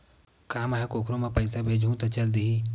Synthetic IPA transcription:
kaːmaɦekoːkʰɾõmẽpɐɪsabʱeːd͡ʒʱũt̪ɐt͡ʃɐld̪ii

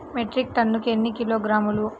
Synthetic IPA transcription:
meʈɾik̚ʈ̪ɐnːukienːikiloːɡɾaːmulu

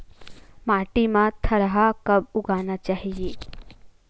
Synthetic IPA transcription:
maːʈimãt̪ʰɐɾɦakɐbuɡaːnat͡ʃaːɦijeː

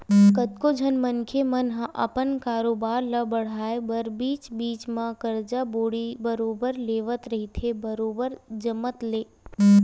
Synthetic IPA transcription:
kət̪kod͡ʒʱɐnmənkʰemənɦãʔɐ̰pənkaːɾoːbaːɾləbəɽ̤aːebəɾbiːt͡ʃbiːt͡ʃmãkəɾd͡ʒaboːɽibəɾoːbəɾleːʋət̪ɾɐɦit̪ʰebəɾoːbəɾd͡ʒəmət̪leː

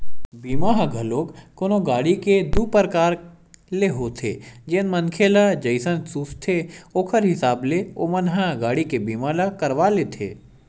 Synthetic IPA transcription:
biːmaɦãɡʱɐloːkkonoɡaːɽiked̪uːpəɾkaːɾ | leɦoːt̪ʰed͡ʒeːnmənkʰeːlad͡ʒəɪsənsuːst̪ʰeoːkʰəɾɦɪsaːbleomənɦãɡaːɽikebiːmaːlakɐɾʋalet̪ʰḛː

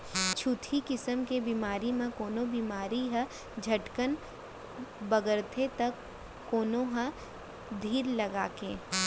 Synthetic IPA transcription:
t͡ʃʰut̪ʰikɪsəmkebiːmaːɾimẽkoːnõbiːmaːɾiɦə̃ | d͡ʒʱɐʈkən | bɐɡəɾt̪ʰet̪ɐkː | oːnõɦɐ̃ | d̪ʱiːɾlɐɡaːkḛ̃ː

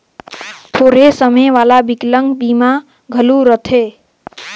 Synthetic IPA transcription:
t̪ʰoɾesəmeʋalabikləŋɡbima | ɡʱəluɾət̪ʰe

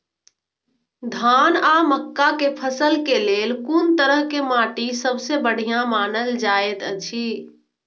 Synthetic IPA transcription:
d̪ʱanaməkːakepʰəsəlkelelkunt̪əɾəɦkemaʈisəbsebəɽ̤ijãmanəld͡ʒaet̪ət͡ʃʰi

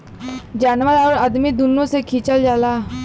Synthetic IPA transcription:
d͡ʑanʋalaəɾad̪miːd̪unːosekʰit͡ɕald͡ʒala

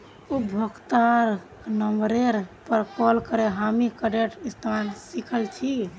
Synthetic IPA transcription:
ubʱəkt̪aɾ | nəmɾeɾpəɾkɔlkəɾeɦamikəɖeʈist̪ʰansikʰəlt͡ʃʰi

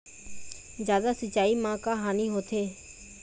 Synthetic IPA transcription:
zjaːd̪aːsət͡ʃaːiːmãːkaːɦaːniːɦoːt̪ʰeː

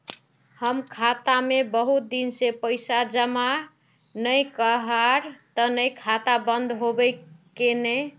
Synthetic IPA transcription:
həmkʰat̪amebəɦut̪̚d̪insepəjsad͡ʒəma | nəjkəɦəɾt̪ənəjkʰat̪abənd̪ɦobəjkene

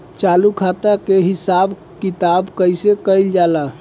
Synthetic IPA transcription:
t͡ʃalukʰat̪akeɦisab | kit̪abkəjsekəjld͡ʒala

